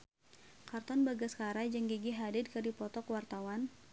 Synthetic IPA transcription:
kart̪ɔnbaɡaskaɾad͡ʒəŋɡiɡiɦadɪd̪̚kədipɔt̪ɔkwart̪awan

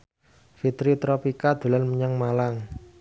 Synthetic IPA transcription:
fit̪ɾit̪ɾɔpikad̪̥ṳlanməɲaŋmalaŋ

